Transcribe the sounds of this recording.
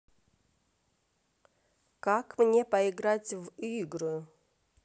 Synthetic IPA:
kakmnʲepɐɪɡɾatʲviɡɾɨ

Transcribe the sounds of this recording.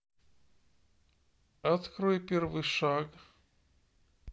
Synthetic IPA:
ɐt̪kɾojpʲervɨjʂaɡ

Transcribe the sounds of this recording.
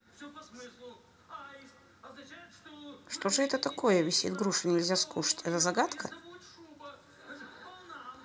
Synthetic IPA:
ʂt̪oʐɨɛt̪ət̪ɐko̞jəvʲɪsʲḭt̪ɡɾuʂɨnʲɪlʲzʲaskuʂə̥tʲɛt̪əzɐɡat̪kə

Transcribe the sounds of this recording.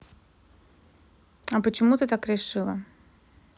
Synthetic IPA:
ɐpət͡ɕɪmut̪ɨt̪akɾʲɪʂɨlˠə̰

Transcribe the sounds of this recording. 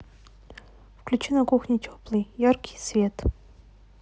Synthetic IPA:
fklʲʉt͡ɕinɐkuxnʲɪtʲoplˠɨjjarkʲʰɪ̥jsvʲet̪

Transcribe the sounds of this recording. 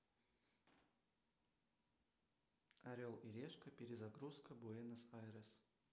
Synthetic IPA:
ɐɾʲolˠiɾʲeʂkəpʲɪɾʲɪzɐɡɾuskəbuɛnɐsaɾəs

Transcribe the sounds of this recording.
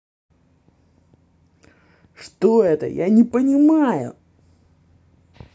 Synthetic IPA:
ʂt̪oɛt̪ə̰janʲɪpənʲɪmajʊ̰

